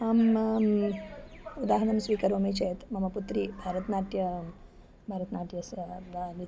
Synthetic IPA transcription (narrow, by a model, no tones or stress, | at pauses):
aːm | ud̪aːɦɐnɐmsʋiːkɐɾomit͡ʃet̪mɐmɐput̪ɾiːbʱaɾət̪naːʈjɐ | bʱaɾɐt̪naʈjɐsdani